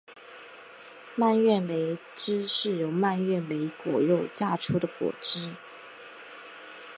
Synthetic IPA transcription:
ma˥˧nɥɛ˥˩nwe˧˥ɪ | ʈ͡ʂɻ̩˥ʂɻ̩˥˩jo˧˥ʊma˥˧nɥɛ˥˩nwe˧˥ɪkwɔ̰˨˩ɻo˥˧ʊt͡ɕja˥˩ʈ͡ʂʰu˥d̪ə˨kwɔ̰˨˩ʈ͡ʂɻ̩˥

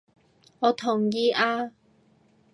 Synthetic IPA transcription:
ŋɔː˨˧t̪ʰʊ˨˩ŋjiː˧ʔaː˧

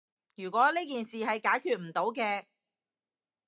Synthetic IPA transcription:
jyː˨˩kʷɔː˨˥liː˥kiː˨nsiː˨hɐ˨jkaː˨˥jkʰyː˨t̚m̩˨˩t̪o˨˥wkɛː˧

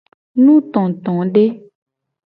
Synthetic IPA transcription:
nũ˦t̪ɔ̃˨t̪ɔ̃˨ɖe˦

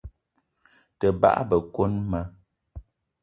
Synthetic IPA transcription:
tə˨ba̰˦ʔbə˨ko˦nma˦

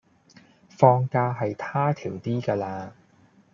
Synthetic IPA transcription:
fɔː˧ŋkaː˧ɦɐ˨jt̪ʰaː˥t̪ʰiː˨˩wt̪iː˥kaː˧laː˧

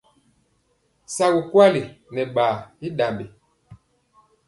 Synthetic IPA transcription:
sa˨ɡu˨kwa˦li˨nɛ˨ɓaː˨i˦ɗa˨mbi˨

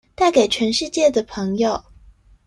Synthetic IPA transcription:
t̪a˥˩ɪke˨˩ɪt͡ɕʰɥɛ˧˥nʂɻ̩˥˧t͡ɕjɛ˥˩d̪ə˩pʰɤ˧˥ŋjo˨˩ʊ

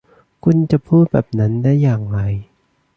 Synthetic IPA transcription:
kʰu˧nt͡ɕa˨˩ʔpʰuː˥˩t̪̚bɛː˨˩p̚na˦˥ndaː˥˩˨jːaː˨˩ŋɾa˨˩j

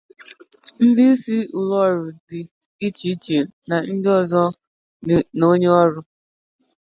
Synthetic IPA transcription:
n̩˦dɪ˦si˦ʊ˨lɔ˦˨ɾʊ˨dɪ˨ | i˦t͡ʃi˨i˦t͡ʃe˨na˨n̩˦dɪ˦ɔ˦zɔ˦ | no˦ɲe˦ɔ˦ɾʊ˦

